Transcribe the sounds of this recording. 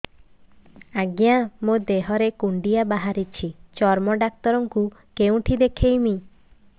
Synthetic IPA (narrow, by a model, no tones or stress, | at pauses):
aɡjamod̪eɦɔɾekuɳɖijabaɦaɾit͡ʃʰit͡ʃɔɾmɔɖak̚t̪ɔɾɔŋku | keũʈʰid̪ekʰejmi